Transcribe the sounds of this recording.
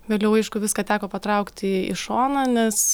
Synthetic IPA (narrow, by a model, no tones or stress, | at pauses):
ʋʲeːlʲɛʊɐɪʃkʊʋʲɪskɐːt̪ʲæːkoːpɐt̪ɾɐʊkt̪ʲɪɪ̰ʃoːnɐnʲɛs